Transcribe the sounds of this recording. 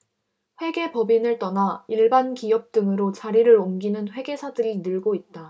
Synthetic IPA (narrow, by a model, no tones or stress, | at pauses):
ɸwe̞ɡe̞pʌbinɯɭt͈ʌnaiɭbankiʌp̚t͈ɯŋɯɾot͡ɕaɾiɾɯɾomɡinɯnɸwe̞ɡe̞sʰadɯɾinɯɭɡoit̚t͈a